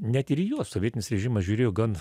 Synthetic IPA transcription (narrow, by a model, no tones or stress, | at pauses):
nʲɛt̪ɪɾijuɔssoːʋʲiɛtʲɪnʲɪsɾʲɛʒʲɪmɐsʒʲuːɾʲeːjoːɡɐn